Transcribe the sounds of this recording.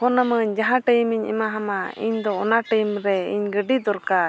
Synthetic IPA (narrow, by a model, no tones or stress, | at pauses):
hɔnəməɲd͡ʒaɦãʈəjmiɲɛ̰maɦamaḭɲd̪ɔɔnaʈəjmɾɛḭɲɡəɖid̪ɔɾka